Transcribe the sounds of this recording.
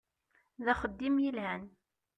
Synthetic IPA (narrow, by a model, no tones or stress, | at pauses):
ðæχəd̪ːimjilʕæn